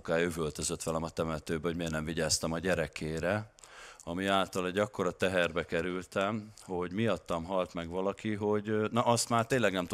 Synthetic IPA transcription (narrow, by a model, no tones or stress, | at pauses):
kaːjøvølt̪øzø̞t̪ːʋɒlɛmɒt̪ɛmɛt̪øːbɛoɟmeːrnɛmviɟaːst̪ɛmɒɟɛɾɛkʰeːɾɛ | ɒmiaːlt̪ɒlɛɟːɒkːo̞ɾɒt̪ɛɦɛrbɛkɛɾylt̪ɛmho̞ɟmiɒt̪ːɒmɦɒlt̪mɛɡʋɒlɒkiɦo̞ɟnɒʔɒst̪maːrt̪eːnlːɛɡnɛmt̪u